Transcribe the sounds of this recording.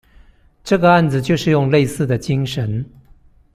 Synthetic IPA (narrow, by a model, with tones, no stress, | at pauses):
ʈ͡ʂɤ˥˩ɡə˩a˥˩nd͡zɹ̩˩t͡ɕjo˥˧ʊʂɻ̩˥˧jʊ˥˧ŋle˥˧ɪsɹ̩˥˩d̪ə˩t͡ɕi˥ŋʂə˧˥n